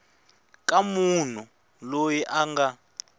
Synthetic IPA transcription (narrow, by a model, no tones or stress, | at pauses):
kʼamun̤u | lojiʔaŋɡa